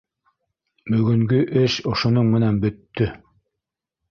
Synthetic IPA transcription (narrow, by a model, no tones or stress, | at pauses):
bɵ̆ɡɵ̆ŋɡɵʔɘʃŏʃŏnoɴmɘ̆nænbɵ̆t̪ːɵ